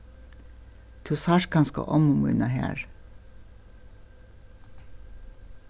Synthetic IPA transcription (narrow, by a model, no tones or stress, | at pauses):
t̪ʰusɑːʃkʰɑnsko̰ːʔɔmʊmʉ̰ːnɑhæ̰ːɹ